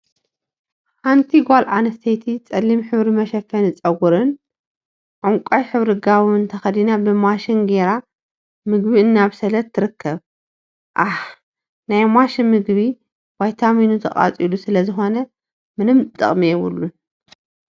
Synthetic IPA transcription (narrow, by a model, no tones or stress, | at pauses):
ħant̪ʰiɡʷalʔanɐst̪ʰejt̪ʰit͡sʼɐlːimħɨβɾimɐʃɐfːɐnɨt͡sʼɐɡuɾɨn | ʕuŋkʷʼajħɨβɾɨɡaβuɨnt̪ʰɐxɐd̪inabɨmaʃinɡeɾa | mɨɡbiɨnːaβsɐlɐt̪ʰːɨɾɨkʰːɐβ | ʔaħ | najmaʃimɨɡβi | wajt̪ʰaminut̪ʰɐχʼa̰t͡sʼilusɨlɐzɨxo̞nɐ | mɨnɨmt̪ʼɨ̰χʼmiɛβɨ̰lːu